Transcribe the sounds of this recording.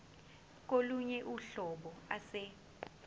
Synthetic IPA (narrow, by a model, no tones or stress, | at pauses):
k̬oluɲɛʔuɬɔɓɔasɛ